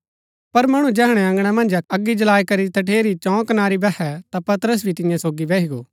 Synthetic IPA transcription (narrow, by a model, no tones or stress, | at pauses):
pɐɾmɐɽ̃ũd͡ʒɛːɦɽ̃ɛɐ̃ŋɡɽ̃ɛmɐ̃nd͡ʒɐɡːid͡ʒɐlaːikɐɾit̪ʰɐʈ̬ʰeːɾit͡ʃɔ̃ːkɐnaːɾibɛɛt̪apɐt̪əɾəs̬bʱit̪ɪ̃jãsoːɡiʋɛːɦiɡoː